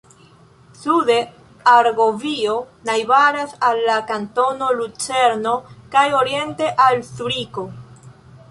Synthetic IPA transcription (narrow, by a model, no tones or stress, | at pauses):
sude | aɾɡovio̞ | najbaɾasalːakanto̞no̞lut͡se̞ɾno̞kajo̞ɾie̞nte̞ʔalsuɾiko̞